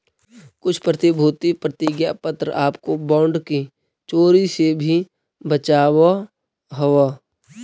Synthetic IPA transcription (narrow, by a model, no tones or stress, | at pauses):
kʊt͡ʃʰpɾət̪ɪbʱuːt̪ipɾət̪iɡjapət̪ɾəʔaːpkobãːɳɖki | t͡ʃoːɾisebʱi | bət͡ʃaːwa | ɦəʋa